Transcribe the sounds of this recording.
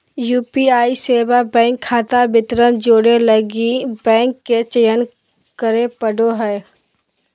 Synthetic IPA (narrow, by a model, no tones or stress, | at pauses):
juːpiaːiseːbabɛ̃ːŋkʰːaːt̪abɪt̪ɾənd͡ʒoːɽeləɡibɛ̃ːŋkːet͡ʃəjən | kəɾepəɖoɦɛː